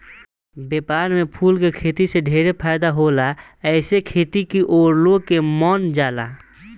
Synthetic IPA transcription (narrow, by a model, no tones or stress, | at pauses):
bepaːɾmepʰulkekʰet̪iseɖʱeɾepʰaɪd̪aɦolaɛɪsekʰet̪ikiʔoːɾloɡkemɔnd͡ʒaːla̰